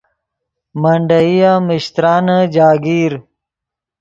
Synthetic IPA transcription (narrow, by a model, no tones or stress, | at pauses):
mɐɳɖɐijamɪɕt̪ɾaːnəd͡ʑaːɡiːɾ